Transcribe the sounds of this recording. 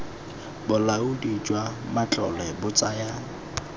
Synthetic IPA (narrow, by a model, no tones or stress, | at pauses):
bʊlaʊdit͡ʃʼwamat͡ɬʼɔlɛbʊt͡sʼaja